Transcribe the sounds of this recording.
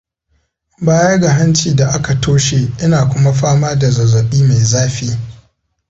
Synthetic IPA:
baː˦jɐ˦ɡa˨ɦa˦nt͡ʃiː˨da˨ʔa˦ka˨toː˦ʃe˨ʔɪ˦naː˨kʷʊ˦ma˦ɸaː˦maː˦da˨zɐ˨zɐ˨ɓiː˦ma˨jzaː˦ɸiː˦

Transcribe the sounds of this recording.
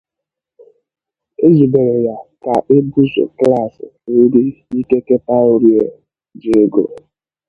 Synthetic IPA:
e˦zi˨be˨ɾe˨ja˨ka˨ʔe˦bu˦zo̰˨kla˦˨sɪ̰˨˦i˦dɪ˦i˦ke˦ke˦pa˦o˦ɾje˨ | d͡ʒe˦ɡo˨

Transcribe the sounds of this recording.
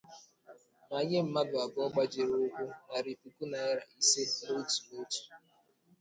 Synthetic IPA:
ma˨ɲe˦m̩˨ma˦bʊ˨a˨ɡɔ˦ɡ͡ba˦d͡ʒe˨ɾʊ˦ʊ˦kʷʊ˦na˨ɾi˨pu˨ku˦na˨ɪ˦ɾa˨i˦se˦no˦tu˨mo˦tu̥˨

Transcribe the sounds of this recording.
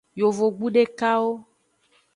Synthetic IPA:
jo˨vo˨ɡ͡bu˦ɖe˦ka˦wo˦

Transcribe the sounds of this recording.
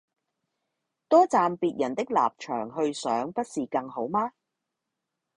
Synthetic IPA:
t̪ɔː˥t͡saː˨mpiː˨t̚jɐ˨˩nt̪ɪ˥k̚la̰ː˨p̚t͡ʃʰœ̰ː˨˩ŋɦɵ˧ɥsœː˨˥ŋpɐ˥t̚siː˨kɐ˧ŋɦo˨˥wmaː˥

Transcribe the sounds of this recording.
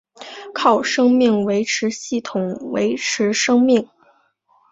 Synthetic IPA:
kʰɑ˥˩ʊʂɤ˥ŋmi˥˩ŋwe˧˥ɪʈ͡ʂʰɻ̩˧˥ɕi˥˩t̪ʰʊ˨˩˦ŋwḛ˧˥ɪʈ͡ʂʰɻ̩˧˥ʂɤ˥ŋmi˥˩ŋ

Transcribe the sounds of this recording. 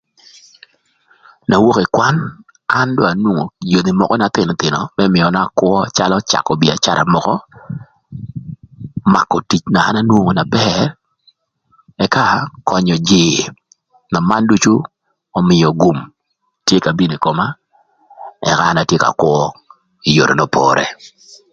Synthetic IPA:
na˨wo˦ke˨kwa˦n | a˦ndo˦a˨nwo˦ŋo˨jo˨ni˨mɔ˨kɔ˦na˨t̪ɪ˨n˨t̪ɪ˨nɔ˨mɛ˦mɪ˨ɔ˨na˦˨kwɔ˦t͡ʃa˦lɔ˦t͡ʃa̰˨kɔ˨bi˨a̰˨t͡ʃa˦ɾa̰˨mɔ˨kɔ˦ | ma̰˨kːɔ˨ti˨t͡ʃnaː˨˦na˦nwo˦ŋo˨na˨bɛr | ɛ˨ka˦kɔ˨ɲɔ˨d͡ʒɪ˨ | na˨ma˦ndu˦t͡ʃu˦ | ɔ˨mɪ˨jɔ˨ɡu˨m | tje˦ka˨bi˦ni˨ko˨ma˦ | ɛ̰˨kaː˦na˨tje˦ka̰˨kwɔ˦ | i˨jo̰˨ɾo̰˨no˦pʰɔ̰ɾɛ̰˨

